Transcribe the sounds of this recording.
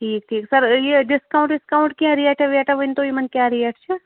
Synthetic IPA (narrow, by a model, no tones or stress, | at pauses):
ʈʰiːk̚ʈʰiːksɐɾjeɖɪskaːʊ̃ɳʈɖɪskaʊ̃ɳʈkiɦɛ̃ɾiɛːʈɛʋiɛːʈɛʋɪnt̪oimɐnkjaːɾiɛʈʰt͡ʃʰɛ